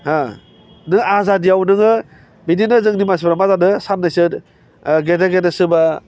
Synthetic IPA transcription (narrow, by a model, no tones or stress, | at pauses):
ha | nɯazadijawnɯŋɯ | bininɯzɯŋnimas̬bɾamazadɯsannːajsɯɾ | ɡedaɡedɯsɯba